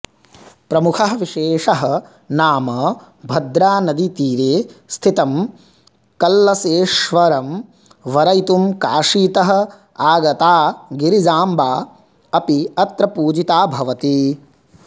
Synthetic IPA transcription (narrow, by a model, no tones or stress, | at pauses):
pɾɐmukʰɐɦɐʋiʃeːʂɐɦɐ̆ | naːmɐ | bʱɐd̪ɾaːnɐd̪it̪iːɾeːst̪ʰit̪ɐm | kɐlːɐseːʃʋɐɾɐm | ʋɐɾɐjt̪umka̰ːʂiːt̪ɐɦɐ̆ | aːɡɐt̪aːɡiɾid͡ʒaːmbaː | ɐpiɐt̪ɾɐpuːd͡ʒit̪aːbʱɐʋɐt̪i